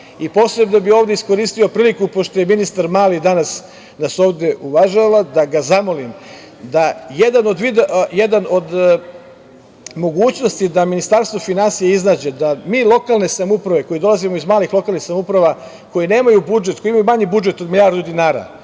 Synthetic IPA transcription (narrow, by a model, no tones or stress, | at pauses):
ipo̞sɾe̞bnobiovd̪e̞isko̞ɾiːst̪io̞pɾiːlikupo̞ʃt̪o̞je̞minist̪aɾmaːlid̪anas | naso̞ːʋd̪e̞ʔuʋaʒalad̪aɡazamo̞lim | d̪ajed̪ano̞d̪ʋid̪jed̪ano̞d̪ | mo̞ɡuːt͡ɕno̞st̪id̪aminist̪aɾst̪ʋofinansijeiznaːd͡ʑe̞d̪amiːlˠo̞kalˠne̞samupɾaʋe̞ko̞jid̪o̞lˠazimo̞izmaːlixlo̞kalˠnixsamupɾaʋa | ko̞jine̞ːmajubud͡ʒet̪ko̞iimajumaɲibud͡ʒe̞t̪o̞d̪miljaːɾd̪ud̪inaːɾa̰